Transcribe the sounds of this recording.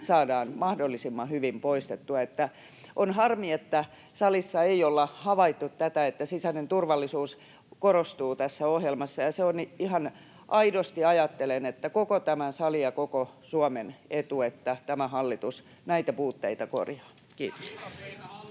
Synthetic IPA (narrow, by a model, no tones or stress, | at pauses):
sɑːdɑːnmɑhdolːisimːɑhyʋimpoist̪et̪ːuɑet̪ːæ | ʔonhɑrmiet̪ːæ | sɑlisːɑeiolːɑhɑʋɑit̪ːut̪t̪æt̪æet̪ːæsisænent̪urʋɑlːisuːs | korost̪uːt̪æsːæohjelmɑsːɑjɑseonihɑn | ʔɑidost̪iɑjɑt̪ːelenet̪ːækokot̪æmænsɑliɑkokosuɑmenet̪uet̪ːæt̪æmæhɑlːit̪us | næit̪æpuːt̪ːeit̪æko̰rjɑ̥ː | kiːt̪o̥s